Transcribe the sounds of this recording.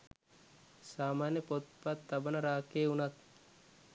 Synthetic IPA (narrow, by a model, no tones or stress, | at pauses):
saːmaːnjəpot̪̚pat̪ːabənəɾaːkeːunat̪̚